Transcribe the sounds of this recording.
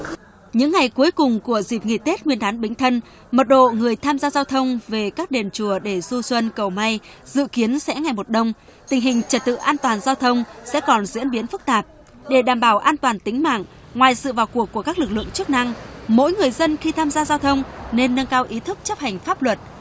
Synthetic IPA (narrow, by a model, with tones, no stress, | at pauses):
ɲɨ̰˧˥ŋːa˨˩jku˨˦əjkʊ˨˩ŋ͡mku˧˩əzi˨˩p̚ŋḭ˧˨˩t̪e˦˥t̚ŋwi˧ənɗ̪aː˨˦nɓï˨˦ŋ̟t̪ʰə˧n | mə˨˩t̚ɗo̰˧˨ŋɨ˨˩əjt̪ʰaː˧mzaː˧zaː˧wt̪ʰə˧wŋ͡mve˨˩kaː˦˥k̚ɗe˨˩nt͡ɕu˧˩əɗe˧˩zu˧swə˧nkə˨˩wma˧j | z̥ɨ̰˧˨ki˨˦ənsɛ̰˧˥ŋa˨˩jmo˨˩t̚ɗə˧wŋ͡m | t̪ï˨˩ŋ̟ɦï˨˩ŋ̟t͡ɕə˨˩t̚t̪ɨ̰˧˨ʔaː˧nt̪waː˨˩nzaː˧wt̪ʰə˧wŋ͡msɛ̰˧˥kɔ˨˩nzḭ˧˥ənɓi˨˦ənfɨ˦˥k̚t̪aː˨˩p̚ | ɗe˧˩ɗaː˧˩mɓaː˧˩wʔaː˧nt̪waː˨˩nt̪ï˨˦ŋ̟ma̰ː˧˨ŋ | ŋwaː˨˩jsɨ̰˧˨vaː˨˩wku˨˩əkːu˧˩əkaː˦˥k̚lɨ˨˩k̚lɨ̰˧˨əŋt͡ɕɨ˦˥ək̚na˧ŋmo̰˧˥jŋɨ˨˩əjzə˧nxi˧t̪ʰaː˧mzaː˧zaː˧wt̪ʰə˧wŋ͡mne˧nːə˧ŋkaː˧wʔi˨˦t̪ʰɨ˦˥k̚t͡ɕə˦˥p̚ha˨˩jŋ̟faː˦˥p̚lwə˨˩t̚